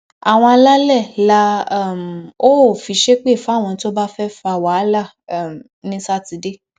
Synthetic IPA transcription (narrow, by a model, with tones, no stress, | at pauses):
a˨w̃ɔ̃˧a˧la˦lɛ˦˨la˦˨m˨o˦˨fi˧ʃe˦k͡pe˦˨fa˨˦˨w̃ɔ̃˧˦to˦ba˦fɛ˦fa˧˨wa˨˦la˦˨˦ | m | nĩ˦sa˦˨ti˨˧de˦